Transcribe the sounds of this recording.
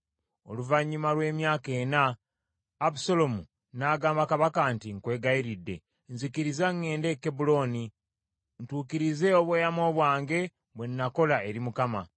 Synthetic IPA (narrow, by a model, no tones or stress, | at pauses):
o̞̰luvaɲːumalwe̞ːmjaːke̞ːnaː | busolo̞mu | naːɡaːmbakaβakantiŋkwe̞ːɡaiɾidːe̞̰ | nzikiɾizaŋːe̞ːnde̞kːebulo̞ni | ntuːkiɾize̞oβweːjamo̞ːβwaːŋɡe̞ | βwe̞nːako̞lae̞ɾimukama